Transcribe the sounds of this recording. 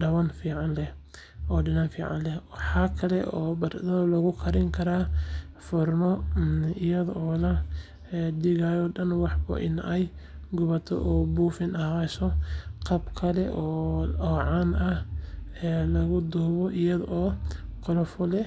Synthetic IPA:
ɖɐwɐnfiːʕɑnlɛh | ɔːɖɪnanfiːʕɑ̰nlɛwɑħɑːkʰɐlɛʔɔːbɐrd̪ɐlɐɣʊkʰɐɾɪŋkʰɐɾaː | fʊrmɔɪjɐðɔʔɔːlɐ | dɪɣajɔɖɐnwɑħbɐ̰ʔɪ̰nɛj | ɡʊβɐt̪ʰɔ̰ʔɔːbuːfɪnɐhasɔqɑbkʰɐlɛʔɔːɔːʕɑnɐhɛːlɐɣʊd̪ɔːβɔʔɪjɐðɔʔɔːqɔlɔfɔlɛ

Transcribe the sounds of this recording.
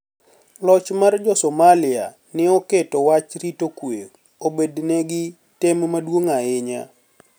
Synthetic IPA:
lɔt͡ʃmard͡ʒɔsɔmalɪa̰ | nɪɔketɔwat͡ʃɾitokwe | obednɛɡɪ | tɛmmadwoŋaɪɲa̰

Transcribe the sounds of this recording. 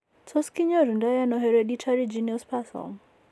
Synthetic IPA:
tʰɔskiɲɔɾundajanɔɦɛɾɛɗitʰaɾid͡ʒiniɔspʰasa̰l

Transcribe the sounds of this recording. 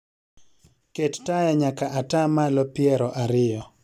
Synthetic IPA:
kettajaɲakaʔatamalɔpɪɛɾɔʔaɾɪjɔ

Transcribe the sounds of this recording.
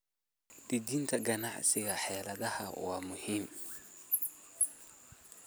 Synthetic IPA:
d̪̥ɪd̪iːnt̪ʰɐɡɐnaʕsɪɣɐħɛːlɐðɐhɐ̰wɑːmʊhiːm

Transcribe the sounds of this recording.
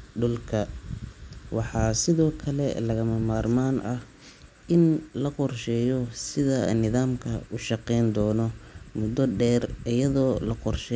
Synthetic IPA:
ɖʊlkʰɐ | wɑħɑːsɪðɔːkʰɐlɛ̰lɐɣɐmɐmaːrmaːnʔɐh | ʔɪnlɐqɔrʃɛːjɔsɪðɐnɪðaːmkʰɐʊʃɑqɛjnd̪ɔːnɔmʊd̪ɔɖɛːrɪjɐðɔːlɐqɔrʃɛ

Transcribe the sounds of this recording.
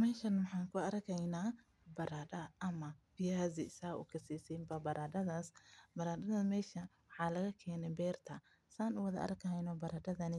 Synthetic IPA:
mɛːʃɐnwɑħɑːŋkʰʊɐrkʰɛjnaː | bɐɾaːɗɐʔɐmɐbɪjaːzɪsaːʔʊ̰kʰɐsiːsiːmbɐbɐɾʔaːdɐðaːsbɐɾaːdɐðɐmɛːʃɐ | wɑħɑːlɐɣɐkʰɛːnɛbɛːrt̪ʰɐ | saːnʊwɐðɐʔɐ̰rkʰɐɦɛjnɔbɐɾaːdɐðɐnɪ

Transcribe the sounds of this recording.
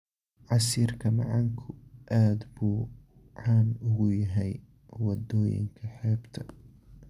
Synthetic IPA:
ʕɑsiːrkʰɐmɑ̰ʕɑŋkʰʊʔaːd̪buː | ʕɑːnʊɣʊjɐɦɛj | wɑd̪ɔːjɪ̰ŋkʰɐħɛːbt̪ʰɐ

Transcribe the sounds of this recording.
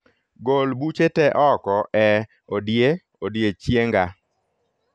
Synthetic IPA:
ɡolbut͡ʃetɛʔɔkɔʔɛ | odje | odjet͡ʃjeŋɡa

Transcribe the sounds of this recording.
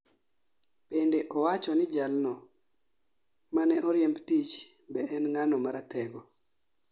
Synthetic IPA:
pendeʔɔwat͡ʃɔnɪd͡ʒalnɔ | manɛɔɾjembtit͡ʃ | bɛɛnŋanɔmaɾatɛɡɔ

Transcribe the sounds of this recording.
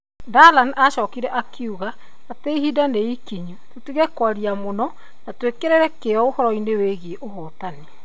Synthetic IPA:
dalanaʃɔːkiɾɛʔakʰeuɣaː | teiɦidaneikiɲutotiɣɛkwaɾiamonɔ | natwekeɾeɾɛkeɔohɔɾɔineweɣeʔohɔtane

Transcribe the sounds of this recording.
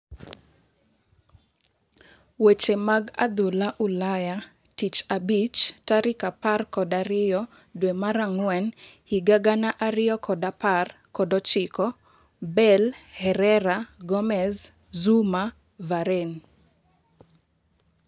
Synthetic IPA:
wet͡ʃemaɡa̰d̪ulaʔulaja | tit͡ʃabit͡ʃtaɾɪkaparkɔdaɾɪjɔ | dwemaɾaŋwɛnhiɡaɡanaʔaɾɪjɔkɔdaparkɔdɔt͡ʃɪkɔ | bɛlhɛɾɛɾaɡɔmɛz | zuma | vaɾen

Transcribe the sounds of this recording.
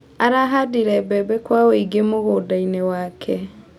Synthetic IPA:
aɾaɦadiɾɛbɛbɛkwaweiɡemoɣoːdainewakʰɛ

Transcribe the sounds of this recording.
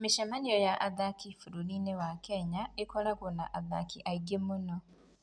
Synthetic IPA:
meʃɛmaniɔjaʔaðakifuɾuninewakɛɲaekɔɾakonaʔaða̰kiʔaiɡemonɔ

